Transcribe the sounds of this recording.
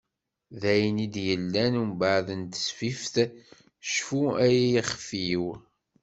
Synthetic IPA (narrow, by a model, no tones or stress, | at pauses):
ðæjnid̪jəlːænumbaʕðənt̪ə̥sfifθ | ʃfuæjijiχfiw